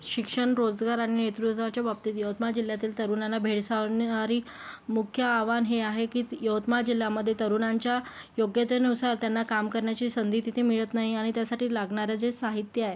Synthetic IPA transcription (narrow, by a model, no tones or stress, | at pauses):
ɕikʂəɳɾod͡zɡaɾaɽ̃inet̪ɾut̪ʋat͡ɕjabab̚t̪iːt̪jəʋwt̪mad͡ʑil̤jat̪iːlt̪əɾunanːabʱeɽsanaɾiː | mukʰjəːʋanɦeaɦekiːjəwt̪mad͡ʑil̤jaməd̪ʱːjet̪əɾunaɲt͡ɕja | joɡjət̪enusaɾt̪janːakamkəɾɳjat͡ɕiːsənd̪ʱiːt̪it̪ʰemiɭət̪naɦiaɽ̃it̪jasaʈʰiːlaɡɳaɾjad͡zesaɦit̪jəaɦe